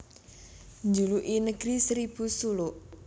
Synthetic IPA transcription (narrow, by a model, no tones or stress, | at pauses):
ɲd͡ʒuluʔinəɡ̥ɾisɾib̥usulʊʔ